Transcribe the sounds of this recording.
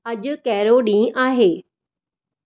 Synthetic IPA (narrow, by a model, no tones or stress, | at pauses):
ɐʄʊ̆kɛːɾoːɗĩːʔaːɦeː